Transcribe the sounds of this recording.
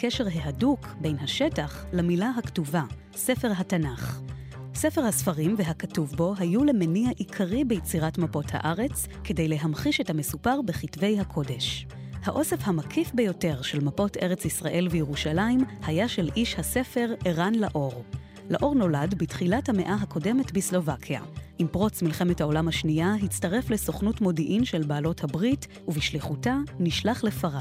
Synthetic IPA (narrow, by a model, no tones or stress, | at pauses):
keʃe̞ʁɦeɦadukbe̞jnɦaʃetaχlamilaɦaktuva | se̞fe̞ʁɦatanaχ | sefeʁhasfaʁimveɦakatuvbo̞ɦajule̞meniaʔikʰaʁibejet͡siʁatmapo̞tha̰ʔaʁe̞t͡s | ke̞de̞jle̞ɦamχiʃe̞thame̞supaʁbeχitve̞jɦakʰo̞de̞ʃ | haʔo̞sefhamakʰifbejo̞te̞ʁʃe̞lmapo̞te̞ʁet͡sisʁaʔe̞lvejeʁuʃalaimhajaʃelʔiʃhase̞fe̞ʁeʁanlaʔo̞ʁ | laʔo̞ʁno̞ladbitχilathame̞ʔaɦakʰo̞de̞me̞tbislo̞vakʰja̰ʔimpʁo̞t͡smilχe̞me̞thao̞lamhaʃniaɦit͡staʁe̞fle̞so̞χnutmo̞diʔimʃe̞lbaːlo̞thabʁit | uviʃliχutaniʃlaχlefaʁa